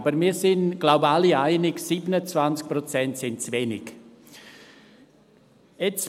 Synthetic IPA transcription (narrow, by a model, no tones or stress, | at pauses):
bəɾmiːɾsɪnɡ̥laʊbaliaɪnɪɡsiːbənət͡svant͡sk̚pɾɔt͡sɛntsɪntt͡svenɪk | ɛt͡s